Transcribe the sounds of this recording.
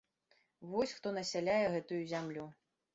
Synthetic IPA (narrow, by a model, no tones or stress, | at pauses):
vɔsʲxt̪ɔnɐsʲalʲajɛɣɛt̪ujuzʲamlʲu